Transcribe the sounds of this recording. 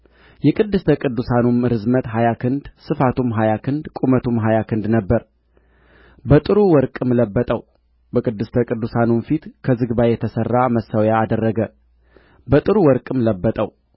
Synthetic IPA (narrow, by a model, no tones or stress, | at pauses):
jɛkʼɨd̪ːɨst̪ʰəkʼɨd̪ːusanumɾɨzmət̪ɦajakʰɨnd̪sɨfat̪ʰumɦajakʰɨnd̪kʼumət̪ʰumɦajakʰɨnd̪nəbːəɾ | bət̪ʼɨɾuwɔɾkʼɨmləbːət̪ʼəw | bəkʼɨd̪ːɨst̪ʰəkʼɨd̪ːusanumfit̪kʰəzɨɡbajɛt̪ʰəsərːaməsːawjaːd̪ərːəɡə | bət̪ʼɨɾuwɔɾkʼɨmləbːət̪ʼəw